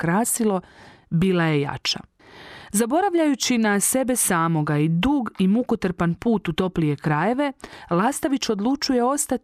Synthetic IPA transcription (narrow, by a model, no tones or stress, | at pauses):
kɾaːsilo̞biːlˠaje̞ja̰t͡ʃa̰ | zabo̞ɾaʋʎajut͡ɕinase̞be̞saːmo̞ɡaid̪uːɡimukot̪ɾ̩panpuːt̪ut̪o̞plije̞kɾaːje̞ʋe̞lˠaːst̪aʋit͡ɕo̞d̪lˠut͡ʃuje̞o̞st̪at̪